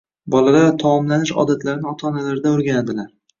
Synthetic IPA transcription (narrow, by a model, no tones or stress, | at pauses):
bɒlalaɾt̪ʰɒmɒmlanɪʃɒ̰d̪at̪ʰlaɾɪnɪɒt̪ʰaːnalaɾɪd̪aʊɾɡʲanad̪ɪlaɾ